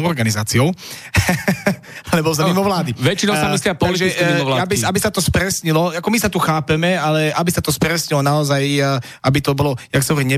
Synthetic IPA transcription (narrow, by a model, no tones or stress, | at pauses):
ɔɾɡanizaːt͡siɔʊ | alɛbɔzamimɔʋlaːd̪iʋɛt͡ʃinɔʊsamislɪapɔaliʒɛisɛiʋlaabiabisat̪ɔspɾɛsɲilɔakɔmisat̪uxaːpɛmɛalɛabisat̪ɔspɾɛsɲilɔnaɔzaj | ʔabit̪ɔbɔlɔjaxtt͡sɛmɦɔʋɔɾiɟɲɛ